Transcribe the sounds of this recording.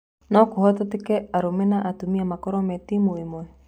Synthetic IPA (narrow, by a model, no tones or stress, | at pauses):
nɔkuhɔtɔtikɛaɾumɛnaʔatumiamakɔɾɔmɛtimoimoɛ